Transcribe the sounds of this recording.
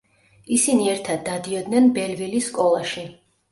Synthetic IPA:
isiniɛɾt̪ʰad̪ːad̪iɔd̪nɛnbɛlvilisːkʼɔlˠaʃi

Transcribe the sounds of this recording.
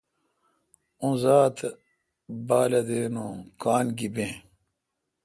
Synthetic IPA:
ũzaːt̪ | baːlɐd̪eːnõkaːnɡibẽː

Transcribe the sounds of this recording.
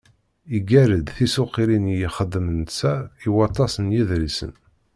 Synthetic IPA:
iɡæɾəd̪θisʊqiɾinjiχəd̪ːəmənsæiwɑt̪ˤːɑsənjiðɾisə̰n

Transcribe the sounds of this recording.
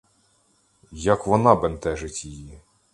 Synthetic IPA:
jɐkʋɔnɑbent̪ɛʒɪtʲiji

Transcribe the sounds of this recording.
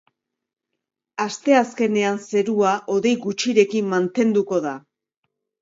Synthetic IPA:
ast̪e̞aske̞ne̞anse̞ɾuaʔo̞ðe̞jɣut͡ʃiɾe̞kimmant̪e̞nd̪uko̞ða

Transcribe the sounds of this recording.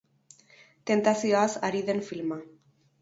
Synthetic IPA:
t̪ent̪aθjasaɾiðenfilma

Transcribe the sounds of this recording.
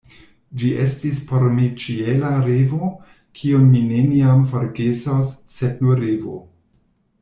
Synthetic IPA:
d͡ʒiʔestispoɾmit͡ʃielaɾevo | kʰionmineniamfoɾɡesosːednuɾevo̰

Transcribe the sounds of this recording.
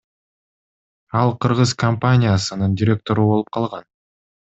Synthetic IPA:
ɑlˠqʰɯɾʁɯzkɐmpanʲɪjasɯnɯndʲɪɾʲe̞k̚t̪o̞ɾubo̞lˠup̚qʰɑlˠʁɑn

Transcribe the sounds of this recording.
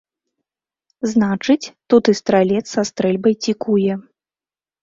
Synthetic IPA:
znat͡ʂɨt͡sʲt̪ut̪ɨst̪ɾalʲɛt̪sast̪ɾɛlʲbɐjt͡sʲikujɛ

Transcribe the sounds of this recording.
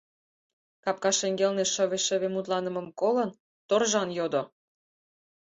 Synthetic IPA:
kɑp̚kɑʃeŋɡelneʃə̆βeʃə̆βemut̪lɑnə̆mə̆mkolɤ̆n | t̪orʒɑnjod̪o

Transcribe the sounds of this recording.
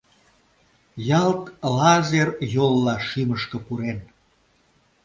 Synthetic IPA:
jɑlt̪lɑzerjolːɑʃiməʃkə̆puɾen

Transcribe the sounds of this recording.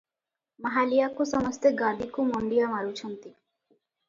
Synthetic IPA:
maɦalijakusɔmɔst̪eɡad̪ikumɔɳɖijamaɾut͡ʃʰɔnt̪i

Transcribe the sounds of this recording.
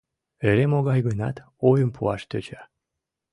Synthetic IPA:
eɾemoɣɑjɡənɑ̰t̪ | ojəmpʰṵɑʃt̪øt͡ɕa

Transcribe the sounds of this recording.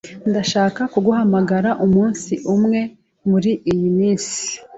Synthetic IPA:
ndaʃaːkakuɡuɦamaɡaɾaʔumuːnsiʔumŋe̞ | muɾiʔijimiːnsi̥

